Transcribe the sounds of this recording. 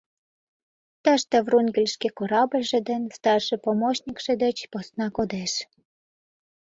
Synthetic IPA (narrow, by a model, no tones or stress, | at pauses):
t̪ɑʃt̪əvrunɡəlʲʃkekoɾɑbəlʲʒĕd̪ə̆nst̪ɑrʃĕpomoɕnʲikʃĕd̪ĕt͡ɕposnɑkod̪eʃ